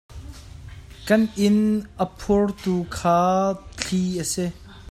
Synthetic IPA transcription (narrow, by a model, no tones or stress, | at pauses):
kɐnʔɪnʔəpʰurt̪uːkʰaːt͡ɬʰiʔəsi